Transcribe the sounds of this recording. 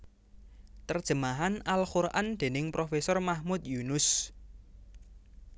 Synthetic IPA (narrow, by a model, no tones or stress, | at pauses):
t̪ərd̥ʒ̥ə̤maɦanalxuɾʔand̪̥e̤nɪŋpɾofesɔrmahmut̪̚junʊs